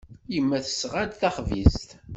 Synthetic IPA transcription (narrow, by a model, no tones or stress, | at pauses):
jəmːæθə̥sʁad̪θæχvḭst̪